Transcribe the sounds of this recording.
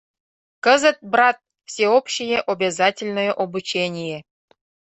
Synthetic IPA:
kə̆zʲə̆t̪̚brɑt̪̚ | fsʲeopɕijĕʔobʲezɑtʲɪlʲnŏjeʔobut͡ɕenʲijĕ

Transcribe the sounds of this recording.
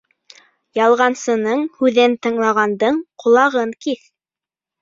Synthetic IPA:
jɑlˠʁɑnsɤ̆nɤɴhʉðɘnt̪ɤ̆ɴlˠɑʁɑnd̪ɤɴqŏlˠɑʁɤŋkiθ

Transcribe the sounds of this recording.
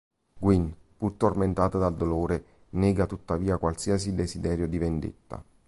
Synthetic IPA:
ɡwin | purt̪orment̪aːt̪ad̪ald̪oloːɾe | nɛːɡat̪ut̪ːaviːakwalsiːasid̪esid̪ɛːɾjod̪ivend̪ḛt̪ːa̰

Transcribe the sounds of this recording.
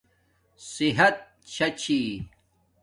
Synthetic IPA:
siɦɐt̪̚ | t͡ɕʰɐt͡ɕʰi

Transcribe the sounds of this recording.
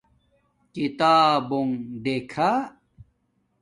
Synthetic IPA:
kit̪aːboŋɖ̪eːkʰa

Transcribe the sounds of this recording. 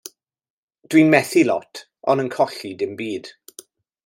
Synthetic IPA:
d̥winmɛθilɔtʰ | ɔnənkʰɔɬidɪmbiːd̥

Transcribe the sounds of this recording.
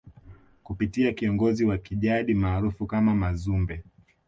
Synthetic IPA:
kupitiakiɔŋɡɔziwakiʄaɗimaːɾufukamamazumbɛ

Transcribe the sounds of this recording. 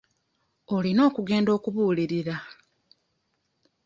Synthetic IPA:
o̞lino̞ːkuɡe̞ːndo̞ːkuβuːliɾiɾa

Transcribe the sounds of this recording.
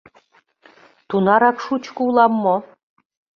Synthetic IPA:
t̪unɑɾɑkʃut͡ɕkɤulˠɑmːo

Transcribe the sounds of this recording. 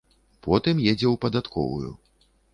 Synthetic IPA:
pɔt̪ɨmjɛd͡zʲɛwpɐd̪at̪kʰɔ̰vṵjṵ

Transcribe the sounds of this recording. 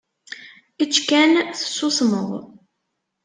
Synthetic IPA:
it͡ʃːkænθə̥sːʊsməʁˤ

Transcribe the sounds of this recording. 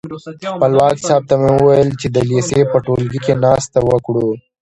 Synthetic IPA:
xpɐlwaːksaːb̚t̪amẽʊwɐjəlt͡ʃed̪əliːsepəʈoːlɡikenaːst̪awɐkɽu

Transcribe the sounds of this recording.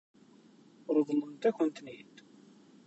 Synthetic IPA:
ɾˤðˤlːənt̪æçənt̪nit̪

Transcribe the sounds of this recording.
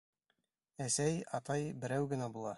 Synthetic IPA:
æsæjɑt̪ɑjbɘ̆ɾæwɡɘ̆næbulˠɑ

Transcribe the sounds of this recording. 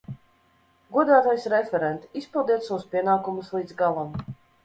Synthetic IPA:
ɡuɔd̪aːt̪ajsɾɛfʲɛɾɛnt̪ispilˠd̪iɛt̪sawuspʲiɛnaːkumuslˠiːd̪zɡalˠam

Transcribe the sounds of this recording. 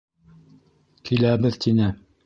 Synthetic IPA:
kilæbɘðt̪inɘ

